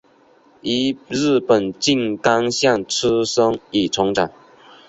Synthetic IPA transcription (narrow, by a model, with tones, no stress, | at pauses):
i˧˥ɻ̩˥˩pə˨˩nt͡ɕi˥˧ŋk̪a˦ŋɕja˥˩ŋʈ͡ʂ̩ʰ˥ʂɤ˥ŋi˨˩ʈ͡ʂʰʊ˧˥ŋʈ͡ʂa˨˩ŋ